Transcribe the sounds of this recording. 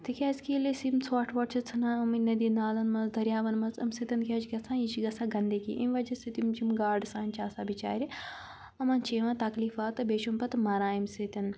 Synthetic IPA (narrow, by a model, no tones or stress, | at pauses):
t̪ikʲaːzkiːlesimsaːʈʰʋɐʈt͡ʃʰɐt͡sʰɐnaːɐminɐd̪inaːlɐnmɐzd̪ʱɐɾʲjaːʋɐnmɐnzɐ̰msit̪ʲɐnkʲaːt͡ʃɡɐt͡sʰãːit͡ʃiɡɐsʰãːɡɐnd̪ekḭʔimʲʋɐd͡ʒɐsit̪imd͡ʒimɡaːɾɖsãːnt͡ʃaːsaːbit͡ʃa̰ːɾʲi | ɐmɐnt͡ʃʰeːʋãːt̪ɐkliːfaːt̪ɨbeːʃumpɐt̪mɐɾãːimsit̪ʲɐn